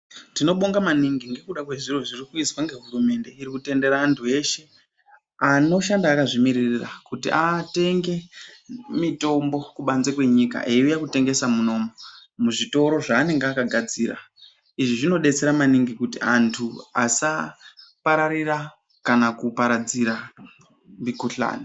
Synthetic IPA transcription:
ntino̞ɓo̞ŋɡamaniŋɡiŋɡe̞kuɗakwe̞ʐiro̞ʐirikuizwaŋɡe̞ɦuɾume̞nde̞iɾikute̞nde̞ɾaːntʰue̞ʃe̞ | ano̞ʃandaːkaʐimiririra̰kutḭʔate̞ŋɡe̞ | mito̞mbo̞kuɓanzekwe̞ɲika̰ʔeiujakute̞ŋɡe̞samuno̞momuʐito̞ɾo̞ʐaːne̞ŋɡeakaɡʱad͡ziːɾa̰ | iʐiʐino̞ɗe̞t͡se̞ɾamaniŋɡikutḭantʰua̰sapaɾaɾira | kanakupaɾad͡ziɾa | mikuɬa̰ːni

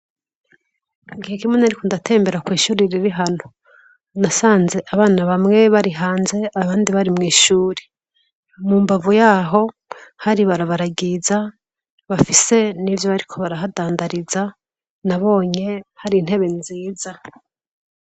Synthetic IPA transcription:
ɡihekimwenaɾikundatʰe̞ːmbe̞ɾakwiːʃuːɾiɾiɾiɦanu | nasaːnze̞ʔaβaːnaβamŋe̞βaɾiɦaːnze̞aβaːndiβaɾimŋiːʃuːɾe | muːmbavujaːɦo̞ | haɾiβaɾaβaɾaɡiza | βafise̞nivjoβaɾikʰo̞βaɾaɦadaːndaɾiza | naβo̞ːɲe̞haɾiːn̥he̞βe̞nziːza

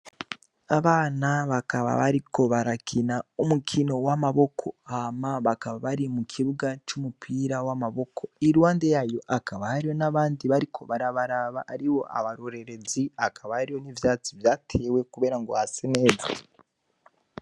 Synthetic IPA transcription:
aβaːnaβakaβa̰βaɾiko̞βaɾakʰinaumukʰino̞wamaβo̞kʰo̞hamaβakaβaβaɾimukʰiβuɡat͡ʃumupʰiːɾawamaβo̞kʰo̞iɾwaːnde̞jajo̞ʔakaβahaɾijo̞naβaːndiβaɾikʰo̞̰βaɾaβaɾaβa̰haɾiwo̞̰ʔa̰βaɾoɾe̞ɾe̞ziakʰaβahaɾijo̞nivjaːt͡sivjaːtʰe̞we̞kuβe̞ːɾaŋɡo̞haseneːdi

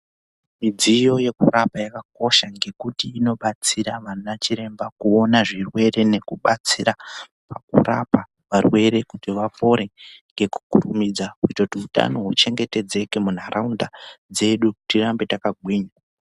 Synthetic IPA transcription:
mid͡zijo̞je̞kurapajakako̞ʃaŋɡe̞kutiːno̞ɓat͡siɾaʋanat͡ʃiɾe̞mbakuo̞naʐirwe̞re̞ne̞kuɓat͡sira | pakṵra̰pa | ʋarwe̞ɾe̞kutiʋapo̞ɾe̞ŋɡe̞ku̥kurumid͡zaɦuitautiuta̰no̞ɦut͡ʃe̞ŋɡe̞te̞d͡ze̞kemun̤aɾaundad͡ze̞ɗutirambe̞takaɡʱwiːɲa

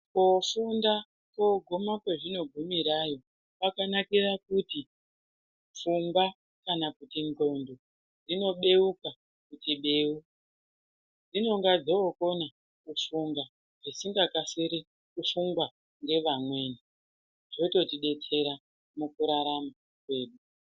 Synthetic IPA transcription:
kofunda | koɡʱomakwe̞ʐino̞ɡʱumiɾajo̞ | pakanakirakuti | fuŋɡwa | kanakutiŋɡo̞ndo | d͡zino̞ɓe̞uka | kutiɓeuk | d͡zino̞ŋɡad͡zo̞ko̞na | kufuŋɡa | ʐ̥isiŋɡakaseɾe | kufuŋɡwa | ŋɡe̞ʋamwe̞ːni | ʐo̞to̞tiɗe̞t͡se̞ɾa | mukuɾaɾama | kwe̞ːɗu

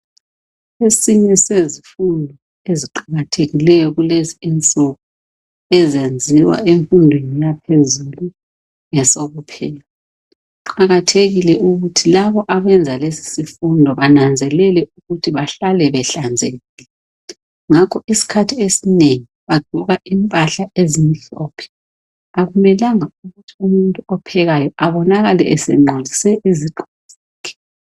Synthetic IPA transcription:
esiɲɛsezifundʱɔ | eziǃaɣatʰeɣilɛjɔɣuleziɛnt͡sʼɔkɔ | ɛzend͡zʱiwa̰ʔeɱfundʱwenijapʰezulu | jɛsoɣupʰɛːlaa | uǃaɣatʰeɣilɛʔuɣutʰilaβɔʔaɣɛnd͡zʱalesi̥sifundʱɔβanand͡zʱɛlɛlɛʔuɣutʰiβaɬalɛβɛɬand͡zʱeɣilɛ | ŋakʰɔisi̥kʰatʰiesineŋiβaɡ͡ǃʱɔɣaʔimpʼaɬaʔezimiɬɔːpʰɛ̥ | aɣumɛlaŋauɣutʰiumuntʼuɔpʰɛɣajɔʔaβɔnaɣalɛɛsɛ̰ŋ͡ǃolʱisɛʔiziǃʱuz̥akʰɛ̥

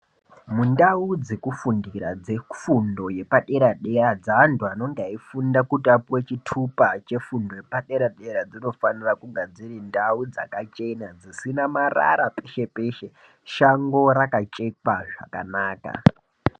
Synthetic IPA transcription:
mundaud͡zekufundiɾad͡zefundo̞je̞paɗe̞ɾaɗe̞rad͡zaːntuano̞ŋɡeaifundakutapuwet͡ʃitʰupat͡ʃe̞fundo̞je̞paɗe̞ɾaɗe̞ɾad͡zino̞fanirakuɡad͡zirindaud͡za̰kat͡ʃe̞nad͡zisinamara̰ɾape̞ʃe̞pe̞ʃe̞ | ʃaŋɡo̞ɾakat͡ʃʼekaʐa̰kanaːka̰

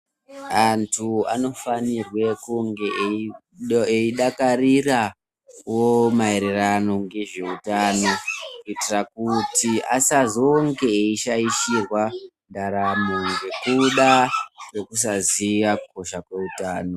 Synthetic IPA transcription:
antʰua̰no̞fanirwe̞kuŋɡe̞ʔ | eiɗakarira | womaeɾerano̞ŋɡe̞ʐe̞utaːno̞kuitirakutiasazo̞ŋɡe̞ːiʃaiʃirwa | ndaɾamoŋɡe̞kuɗare̞kus̬aziʋakʰo̞ʃakwe̞utaːno

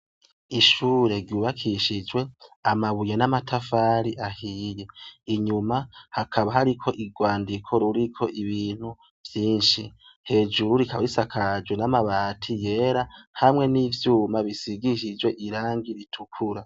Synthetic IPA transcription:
iʃuːɾe̞ɾɟuːβakʰiʃid͡ʒwe̞amaβujenamatʰafaːɾiʔahiːje̞iɲumahakʰaβaɦaɾikʰo̞ʔiɡwaːndikʰo̞ɾuɾikʰo̞ʔiβiːn̥hu | v̥jiːnʃi | he̞d͡ʒuɾuɾikaβaɾisakʰad͡ʒwenamaβaːtʰije̞ːɾahamŋe̞niːvjuːmaβisiɡiʃid͡ʒweʔiɾaːŋɡiɾitʰukʰuɾa

